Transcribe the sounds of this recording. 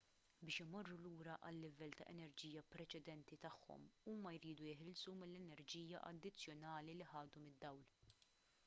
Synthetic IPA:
bɪːʃɪmɔrːuluːɾɐʔɐlːɪvɛlt̪ɐ̰ʔɛnɛɾd͡ʒiːjɐpɾɛt͡ʃɛd̪ɛnt̪it̪ɐħːɔ̰muːmɐjɾiːd̪ujɪħɪlsumɪlːɛnɛɾd͡ʒiːjɐʔɐ̰d̪ːɪt͡sːjɔnɐːliliħɐːd̪umɪd̪ːɐwl

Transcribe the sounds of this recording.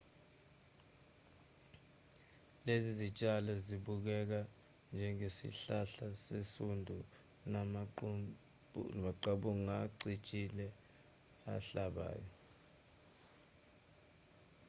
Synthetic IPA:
lezizit͡ʃʼalɔziɓuk̬ɛk̬a | nd͡ʒʱɛŋesḭɬaɬasesundʱu | nam | maǃaɓuŋaǀit͡ʃʼilɛ | a̰ɬaɓa̰ːjɔ

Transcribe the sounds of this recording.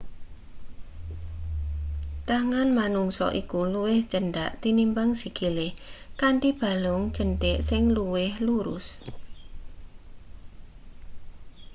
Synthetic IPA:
t̪aŋanmanuŋsɔ̰ʔikuluwɪhd̥ʒ̥əɳɖaʔt̪inimbaŋsiɡ̥ilɪhkaɳʈib̥a̤lʊŋ̥d͡ʒ̥əɳʈɪʔsɪŋluwɪhluɾʊ̰s

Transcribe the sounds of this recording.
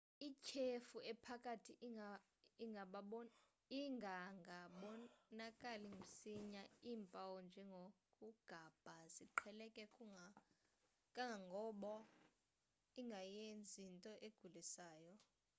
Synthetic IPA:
ikʰefuɛpʰakʼatʰi | iŋʱaɓaɔ | iŋɡʱaŋɡʱaɓɔnakʼaliŋɡum̩siɲaiːmpʼawɔnd͡ʒʱɛŋɡʱokʼuɡ̥ʱaːb̥ʱaziǃʰɛlɛkʼɛkʼu | kʼaŋʱaŋɡʱɔːɓɔ | iŋɡʱajend͡zʱintʼɔʔeɡ̥ʱulisaːjɔ

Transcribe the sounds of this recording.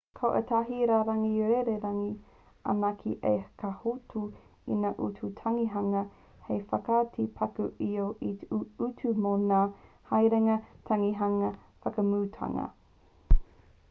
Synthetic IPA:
kʰɐwʔə̰tʰɐɦiɾaːɾɐŋieɾeɾɐŋi | a̰nakʰḭʔejkahutʰu | ḭnaʔutʰutʰɐŋiɦɐŋɐ | hejfɐkatʰipʰɐkuʔioʔitutʰumonaː | hɐjɾɛŋɐtʰɐŋiɦɐŋɐ | fɐkɐmutʰa̰ŋɐ̰

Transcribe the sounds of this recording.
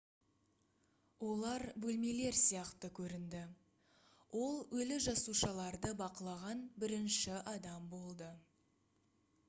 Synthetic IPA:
wo̞lˠɑɾbɵlme̞le̞ɾsijɑqt̪əkʲʰɵɾɪnd̪ɪ | wʔo̞lˠɵlɪʒɑsuʃɑlˠɑɾd̪əbɑqəlˠɑʁɑnbɪɾɪnʃɪʔɑd̪ɑmbo̞lˠd̪ə

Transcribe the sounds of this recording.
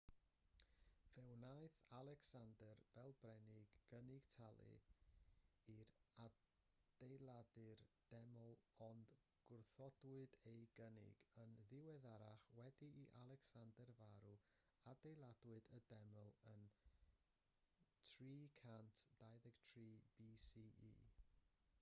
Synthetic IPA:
vɛwnajθalˠɛksandərv̥ɛlˠbrɛnɪɡɡənɪɡ̥tʰalˠɨ̰ | iɾa | d̥ejlˠadɨrd̥ɛmɔlˠɔnd | ɡ̥ʊrθɔdwɨdejɡənɪ̰ɡənðɪwɛðaɾaχwɛdiːʔalˠɛksandərvaɾu | adejlˠadwɨdədɛmɔlˠən | tʰriːkʰantʰd̥ajðɛɡ̥tʰriːbisiːḭː

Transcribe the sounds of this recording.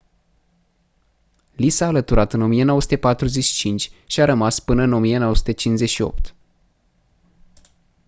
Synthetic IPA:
lisaːlət̪uɾat̪ɨno̞mijenowəsu̥t̪epat̪ɾuzet͡ʃʃi̥t͡ʃint͡ʃʲʃiaɾəmaspɨnəɨno̞mijenowəsut̪et͡ʃinze̞ʃio̞̰p̚t̪

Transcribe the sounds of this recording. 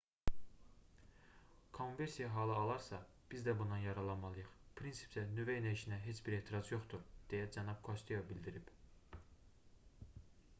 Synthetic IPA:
kʰo̞nve̞ɾsijɑɦɑːlˠɯɑlˠɑɾsɑ | b̥izd̪æbund̪ɑnjɑɾɑlˠɑnmɑlˠɯjɯχpʰɾinsi̥psænyvæjnæiʃinæɦe̞t͡ʃbiɾeːt̪ʰiɾɑzjo̞χt̪uɾd̪̥ejæd͡ʒænɑb̥̚kʰost̪ʰijobilʲd̪iɾib

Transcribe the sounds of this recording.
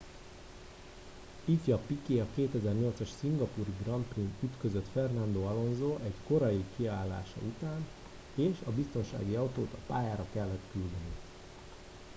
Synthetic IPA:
itjɒpikeːɒkeːt̪ɛzɛrɲo̞lt̪sɒʃsiŋɡɒpuriɡrɒnt̪print̪yt̪kø̞zøt̪fɛrnɒnd̪oːɒlo̞nzoːʔɛɟko̞ɾɒjikiaːlːa̰ːʃɒ̰ut̪aːn | eːʃɒbist̪o̞nʃa̰ːɡiɒwt̪oːt̪ɒpaːjaːɾɒkɛlːɛt̪kyld̪ɛni

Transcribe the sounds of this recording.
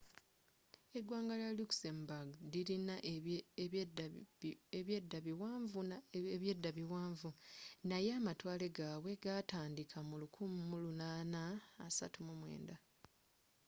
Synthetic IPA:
e̞dwaːŋɡalaluksembaɡdiɾinaʔ | eβjedːaβiwaːɱvueβje̞dːaβiwaːɱvunajeamatwaːle̞ɡaːwe̞ɡataːndikʰamulukʰumumulunaːnaːsa̰tumumwe̞̰ːnda

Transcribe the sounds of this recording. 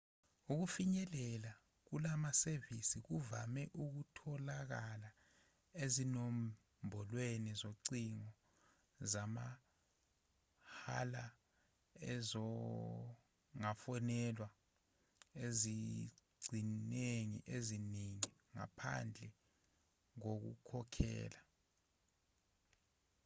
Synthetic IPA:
uk̬ufiɲɛlɛla | k̬ulamasevisik̬uvamɛʔuk̬utʰɔlak̬ala | ezinɔm | mbʱɔlwenizoǀiŋɔ | zama | ha̰la | ɛzɔ | ŋafɔnɛlwa | eziɡ͡ǀʱineŋḭʔeziniŋiŋa̰pʰa̰nd͡ɮʱɛ | ŋ̬ok̬ṵkʰɔkʰɛ̰ːla

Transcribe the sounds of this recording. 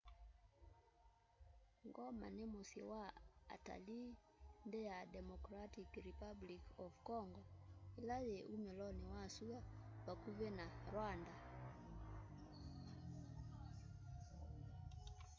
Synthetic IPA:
ŋɡɔma̰nemosḭwaa̰ta̰li | ndejadɛmɔkɾatikɾipablikɔvkɔŋɡɔelajeʔumɛlɔnewasuawakuβenaɾwanda

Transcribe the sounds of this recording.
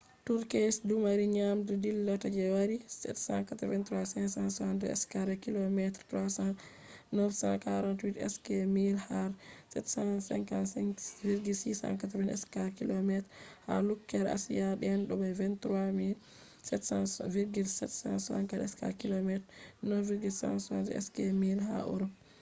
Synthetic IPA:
tuɾkesdumaɾiɲamdudilːatad͡ʒɛwaɾisɛ̰tsã̰nkatɾvɛntɾuwasɛnsãnsandɛɛ̰skaɾɛkilɔmɛtɾtwasan | nɔfsã̰nkaɾɔntwitɛ̰skɛmilhaɾsɛtsasɛ̰ŋkansviɾɡilsisã̰ŋkat̬ɾvɛnɛ̰skakilɔmɛtɾha̰lukːɛɾa̰sijaɗɛɛnɗɔbɛvɛntɾwamil | sɛtsãnsviɾɡilsɛtsãnsa̰ŋkaɾɛ̰ska̰kilomɛtɾnɔviɾɡilsã̰nsɔndɛ̰ɛ̰skɛmilɦa̰ʔṵɾɔ

